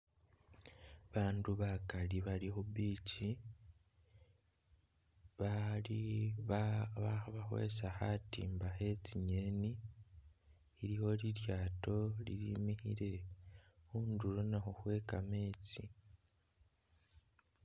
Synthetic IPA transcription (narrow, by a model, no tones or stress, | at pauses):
βaːnduβakaliβalixuβiːci | βali | βaβaxwḛsaxatḭːmbaxe̞t͡siɲe̞ni | ɾiho̞liɾjaːto̞lḭɾimihḭɾe̞ | xuːnduɾonaxoxwe̞ːkame̞ːt͡si